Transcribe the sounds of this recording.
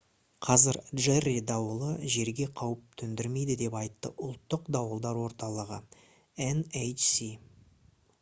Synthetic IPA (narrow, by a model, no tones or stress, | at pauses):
qʰɑzɪɾʒerid̪ɑwəlˠəʒe̞ɾɡʲe̞qʰɑwəp̚t̪ʰʏnd̪ɪɾme̞jd̪ɪd̪e̞pɑjt̪ːə̰ʔʊlˠt̪ːəqd̪ɑwəlˠd̪ɑɾwo̞ɾt̪ɑlˠəʁə | enejt͡ʃsi